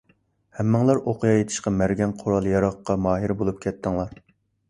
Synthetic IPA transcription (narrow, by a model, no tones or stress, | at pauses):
hɛmːɨŋlˠɑɾʔoqʰʊjɑjet̪ʰɪ̥ʃqɑmæɾɡʲɛnqʰoɾɑlˠjɑɾɑqːɑmɑːɦiɾbolˠup̚kʲʰɛt̪ʰːɪŋlˠɑɾ